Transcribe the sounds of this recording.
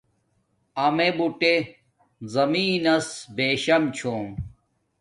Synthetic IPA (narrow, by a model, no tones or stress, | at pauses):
ɐmebuʈe | zɐmiːnɐsbeːɕɐmt͡ɕʰoːm